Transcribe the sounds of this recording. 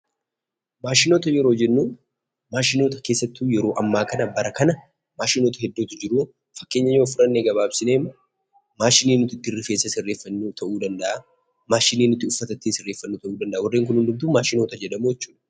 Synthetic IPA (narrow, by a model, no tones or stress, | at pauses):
maːʃɪno̞ːt̪ɐjɛɾoːd͡ʒɛnːuː | maːʃɪno̞ːt̪ɐke̞ːsːɐt̪ːujɛɾo̞ːʔɐmːaːkɐnɐbɐɾɐkɐnɐ | maːʃɪno̞ːt̪ɐhɛd̪ːuːt̪ʊd͡ʒɪɾuː | fɐ̥kːe̞ːɲːɐɲːoːfʊɾɐnːeɡɐβaːbsɪneːmː | maːʃɪniːnːʊt̪ːɪd̪ɪrːɪfe̞ːsːɐsɪrːeːfːɐnːut̪ʰɐʔuːd̪ɐnd̪ɐʔa | maːʃɪneːnːʊt̪ːɪʊfːɐt̪ɐt̪ːisɪrːe̞ːfːɐnːuːt̪ɐʔuːd̪ɐnd̪ɐʔwɐrːeːŋk̬ʊnhʊnd̪ʊmt̪̬uːmaːʃɪno̞ːt̪ɐd͡ʒɛᶑɐmujɛt͡ʃːuːᶑɐ̥